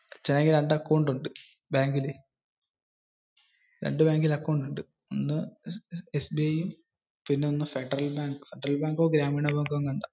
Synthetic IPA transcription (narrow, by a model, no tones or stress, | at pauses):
t͡ɕeneŋɡiɾeɳɖɐkːɐɳɖuɳɖɨ | baːŋɡile | ɾḛɳɖɨbaːŋɡilɐkːoɳɖuɳɖɨ | onːɨ | esbiɐjum | pinːe̞onːɨfeɖɐrɐlbaːŋɡɨ̥feɖɐrɐlbaːŋɡoːɡɾaːmiːɳɐbaːŋɡoŋɡuɳɖa